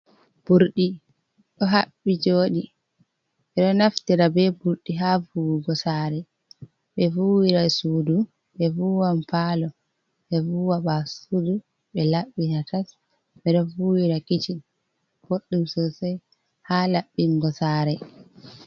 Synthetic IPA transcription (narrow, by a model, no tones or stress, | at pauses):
b̥uɾɗi | ɗɔɦaɓːid͡ʒoɗi | ɓɛɗɔnaftiɾabɛbuɾɗiɦafuwɡɔsaɾɛ | ɓɛvuwiɾasudu | ɓɛvuwampaːlɔ | ɓɛvuwaɓasudu | ɓɛlaɓːinatas | ɓɛɗɔfuwiɾakit͡ʃin | b̥oɗːumsɔsɛj | halaɓːimɡɔsaːɾɛ